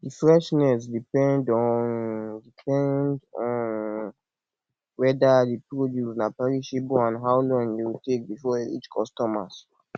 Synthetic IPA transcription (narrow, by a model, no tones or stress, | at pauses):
difɹɛʃnɛs̬dipɛ̃ndɔndipʰɛ̃ndɔ̃n | wɛdadepɹodjusnapɛɹiʃebãnɦaʊlɔ̃ŋjewitek̚bifɔḭt͡ʃkʰɔstɔma̰s